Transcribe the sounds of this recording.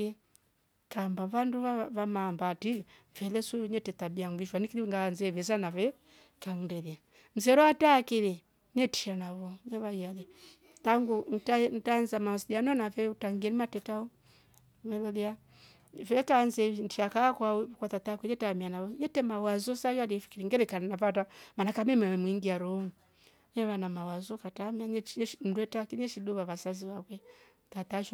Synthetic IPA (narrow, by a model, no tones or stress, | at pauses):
i | kambavanduavamaːmbati | vɛlɛsuɲɛtɛtabiaŋviʃwanikiliŋɡanzɛvɛzanavɛ | kaŋundɛlia | n̩zɛɾɔatakili | nɛti̥ʃanaβɔnɛβaialɛ | taŋɡun̩tantanzamaɔsidianɔnavɛutaŋɡɛnimatɛtaɔ | mɛβɔlia | vɛtanzɛntiakakwawɛkatatakwɛjɛtamianaβɔjɛtɛmawazɔsajaɾifi̥kiɾiŋɡɛɾɛkannavatamanakamɛmɛɛmwiŋɡiaɾɔŋu | nɛβanamawazɔkatamianɛn̩dwɛtakinɛʃiɗuβaβasaziβakwɛ | tataʃ